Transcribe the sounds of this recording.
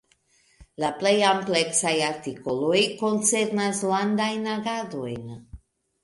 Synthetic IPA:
laplejampleksajaɾtiko̞lo̞jko̞nt͡se̞ɾnaslandajnaɡado̞̰jn

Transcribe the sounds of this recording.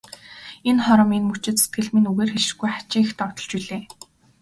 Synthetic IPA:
enχɔɾɞ̆menmut͡ɕɪ̆t̪se̥t̪ɡɘ̆ɮmĭnuɣeːrxeʃɪ̥̆ɡujχḁt͡ɕiːŋxt̪ɔkt̪ɞ̆ɮt͡ɕiɮeː

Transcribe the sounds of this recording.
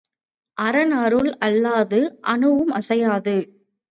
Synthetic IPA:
ʔɐɾɐnɐɾɯɭɐlːaːðɯʔɐnɯʋɯmɐsɐjaːðɯ

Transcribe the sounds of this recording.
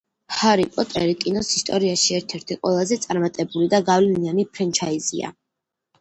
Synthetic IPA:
haɾipʼɔt̪ʼɛɾikʼinɔsist̪ʼɔɾiaʃiɛɾt̪ʰɛɾt̪ʰiqʼwɛlˠazɛt̪sʼaɾmat̪ʼɛbulid̪aɡavlɛnianipʰɾɛnt͡ʃʰaizḭa̰

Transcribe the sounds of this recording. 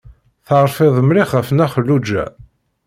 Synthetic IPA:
θəʁɾˤfɪðˤəmɾiχəfnæχəlːud͡ʒːæ̰

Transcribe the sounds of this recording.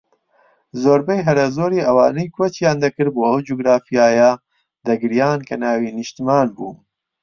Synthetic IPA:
zoːɾbɛjɦɐɾɐzoːɾiːɐwaːnijkwɐt͡ʃjaːnd̪ɐkɨɾboːɐwd͡ʒuɡɾaːfijaːjaː | d̪ɐɡɨɾijaːnkʰɐnaːwiːnɨʃt̪imaːnbṵː

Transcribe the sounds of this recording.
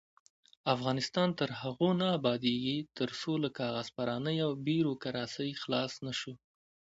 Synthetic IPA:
afɣɑnɪst̪ɑnt̪əɾhaɣonaːbɑd̪eɡit̪əɾsolakɑɣaz̥paɾɑnəjawbiɾokaɾɑsəjxlɑsnaʃu

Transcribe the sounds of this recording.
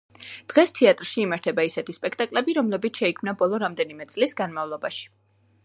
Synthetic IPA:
d̪̥ʁɛst̪ʰiat̪ʼɾʃiːmaɾt̪ʰɛbaisɛt̪ʰispʼɛkʰt̪ʼakʼlɛbiɾɔmlɛbit̪ʰʃɛikʰmnabɔlˠɔɾamd̪ɛnimɛt̪sʼlisɡanmavlˠɔbaʃi̥

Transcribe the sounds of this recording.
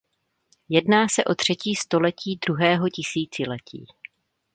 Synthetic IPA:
jɛdnaːsɛʔo̞t̪r̝̥ɛciːst̪o̞lɛciːd̪ɾuɦɛːɦo̞cɪsiːt͡sɪlɛcḭː

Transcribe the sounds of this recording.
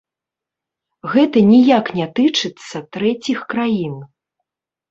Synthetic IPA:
ɣɛt̪ɐnʲijaknʲɛt̪ɨt͡ʂɨt̪sːɐt̪ɾɛt͡sʲixkɾajin

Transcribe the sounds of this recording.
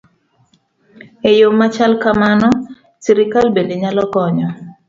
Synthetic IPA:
ejomat͡ʃalkamanɔ | siɾikalbendeɲalɔkɔɲɔ

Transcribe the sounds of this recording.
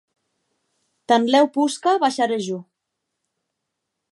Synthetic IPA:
t̪anlɛwpuskaβaʃaɾeʒu

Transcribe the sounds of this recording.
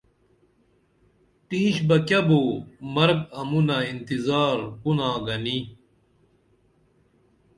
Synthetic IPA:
t̪ĩːɕbɐkʲjɐboːmɐɾɡ̚ɐmunɐint̪izaːɾkunãːɡɐni

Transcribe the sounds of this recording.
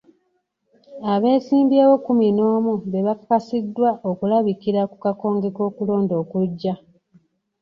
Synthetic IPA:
aβe̞ːsiːmbjeːwo̞kumino̞ːmuβe̞βakːasidːwaʔokulaβikiɾakukako̞ːŋɡe̞ko̞ːkulo̞ːndo̞ːkuɟːa

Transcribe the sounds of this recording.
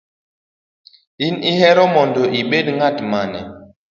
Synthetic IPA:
inihɛɾɔmɔndoʔiɓetŋatmanɛ̰

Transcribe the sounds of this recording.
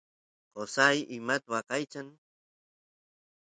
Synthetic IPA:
qosajʔɪmat̪wakajt͡ʃan

